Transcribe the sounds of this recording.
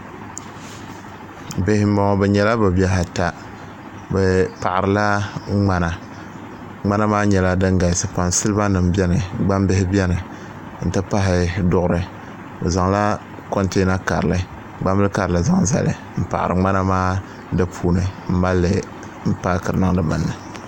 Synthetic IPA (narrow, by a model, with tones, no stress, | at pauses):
be˦hɪ˦m̩˦ma˦a˦bɛ˨ɲɛ˦la˦ba˨bi˦a˦ɦa˨ta˦ | bɛ˨pa˨ʔɾɨ˨la˦ŋ͡ma˦na˨ | ŋ͡ma˦na˦maː˦ɲɛ˨la˦dɨ˦ŋɡa˨sɨ˨pa˨nsɨ˦lɨ˦ba˦nɨ˨m˨bɛ˦nɨ˨ɡ͡ba˦mbɪ˦hɪ˦bɛ˦nɨ˨ | n̩˨tɨ˦pa˦ɦɪ˨dʊ˦ʔʊ˦ɾɨ˨ | ɨ˨za˨ŋla˦ | ko˦nte˦na˦ka̰˨ɾlɨ˨˦ | ɡ͡ba˦m˦bɨ˦lka˨ɾɨ˨lɨ˨za˦ŋza̰˨lɨ̰˨ | m̩˦˨pa̰˨ʔɪ̰˨ɾɨ˨ŋ͡ma˦na˦maː˦ | dɨ˦pʰuː˦nɨ˨m̩˦ma˦lːɨ˨ | m̩˦paː˦kɨ˨ɾɨ˨nɨ˦ŋ˦dɨ˦bɨ̰˨nːɨ˨